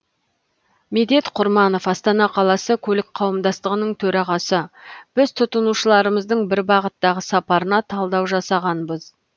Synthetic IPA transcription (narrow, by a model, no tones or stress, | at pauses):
med̪e̞t̪qʰʊɾmɑno̞fɑst̪ɑnɑqʰɑlˠɑsəkʲʰɵlɪk̚qʰɑwəmd̪ɑst̪əʁənəɴt̪ʰɵɾɑʁɑsəb̥ɪz̥t̪ʰʊt̪ənuʃəlˠɑɾəməzd̪əɴbɪɾbɑʁət̪ːɑʁəsɑpɑɾənɑt̪ʰɑlˠd̪ɑwʒɑsɑʁɑnbəz